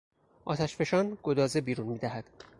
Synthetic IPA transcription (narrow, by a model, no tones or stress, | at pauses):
ʔɒ̰ːt̪ʰæʃfe̞ʃɒːnɡ̥od̪ɒːzebiːɾunmiːd̪æɦæd̪̥